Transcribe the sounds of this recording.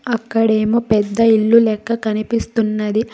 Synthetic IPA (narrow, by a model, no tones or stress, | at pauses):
ɐkːɐɽe̞ːmoːpɛd̪ːɐiɭːulɛːkːɐkɐnipist̪unːɐd̪i